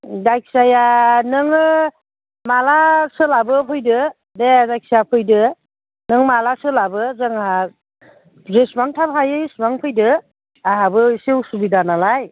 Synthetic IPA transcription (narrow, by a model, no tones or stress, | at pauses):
dajk̚sajanɯŋ | malasɯlabɯpʰɯjdɯ | dedajk̚sajapʰɯjdɯ | nɯŋmalasɯlabɯzɯŋha | ɾesmaŋtʰaphajɯismaŋpʰɯjdɯ | aɦabɯsewsubidanalaj